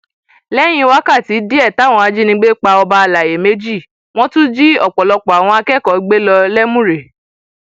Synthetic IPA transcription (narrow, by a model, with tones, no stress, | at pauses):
lɛ˦j̃ĩ˧wa˦ka˦˨ti˨˦di˦ɛ˦˨ta˨˦˨w̃ɔ̃˧˨a˨˧d͡ʒi˦nĩ˧˦ɡ͡be˦k͡pa˧ɔ˧ba˧a˧la˨je˨me˨˦d͡ʒi˦˨ | w̃ɔ̃˦tũ˦d͡ʒi˦ɔ˦˨k͡pɔ˨lɔ˧k͡pɔ˨a˨w̃ɔ̃˧a˧kɛ˦˨kɔ˨˦ɡ͡be˦lɔ˧lɛ˦mũ˦ɾe˨